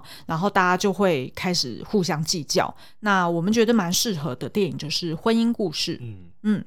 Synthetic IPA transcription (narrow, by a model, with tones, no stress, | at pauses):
ɻa˧˥nxo˥˧ʊt̪a˥˩t͡ɕja˥t͡ɕjo˥˧ʊxwe˥˩ɪkʰa˥ɪʂɻ̩̰˨˩xu˥˩ɕjɑ˥ŋt͡ɕi˥˧t͡ɕjɑ̰˥˩ʊ | na˥˩wɔ˨˩mə˦nt͡ɕɥɛ˧˥d̪ə˧ma˧˥nʂɻ̩˥˩xɤ˧˥d̪ə˧t̪jɛ˥˩ni˨˩ŋt͡ɕjo˥˧ʊʂɻ̩˥˩xwə˦ni˥ŋku˥˧ʂɻ̩˥˩ | n̩˥˩